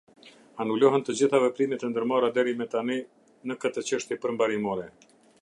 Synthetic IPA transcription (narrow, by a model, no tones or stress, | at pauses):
anulɔɦɛnt̪əd͡ʑiθavɛpɾimɛt̪ənd̪əɾmaɾad̪ɛɾimɛt̪ani | nəkət̪ət͡ɕəʃt̪jɛpəɾmbaɾimɔɾɛ